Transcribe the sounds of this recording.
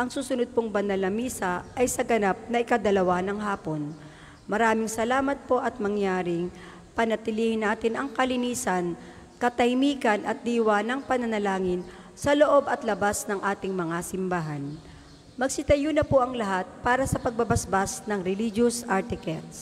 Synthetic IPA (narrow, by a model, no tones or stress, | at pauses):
ʔɐŋsuːsʊnod̪̚poŋbɐnɐlɐmiːsɐʔɐjsɐɡɐnap̚nɐʔɪkɐd̪ɐlɐwanɐŋɦaːpo̞n | mɐɾaːmɪŋsɐlaːmɐt̪̚po̞ʔɐt̪̚mɐŋjaːɾɪŋ | pɐnɐt̪ɪliːhɪnːaːt̪ɪnɐŋkɐlɪniːsɐn | kɐt̪ɐjmiːkɐnʔɐt̪̚d̪iːwanɐŋpɐnɐnɐlaːŋɪn | sɐlo̞ʔo̞bɐt̪lɐbasnɐŋʔaːt̪ɪŋmɐŋasɪmbaːɦɐn | mɐɡ̚sɪt̪ɐjunɐpoʔɐŋlɐɦat̪̚paːɾɐsɐpɐɡ̚bɐbɐsbasnɐŋɾɛlid͡ʒosʔaɹt̪ɪkɛt̪s